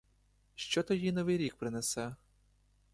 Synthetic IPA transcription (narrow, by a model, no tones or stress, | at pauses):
ʃt͡ʃɔt̪ɔjinɔʋɪjɾʲik̚pɾɪnɛsɛ